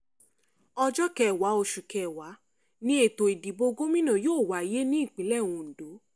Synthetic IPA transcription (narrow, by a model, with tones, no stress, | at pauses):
ɔ˧d͡ʒɔ˦kɛ˧˨wa˨˦o˧ʃu˨kɛ˨wa˨˦ | nĩ˦e˦˨to˨i˨di˨bo˧ɡo˦mĩ˦nã˨joː˦˨wa˨˦i˦˨je˦nĩ˦i˦˨k͡pĩ˨˦lɛ˦˨w̃ũ˨˧n̩˨do˨˦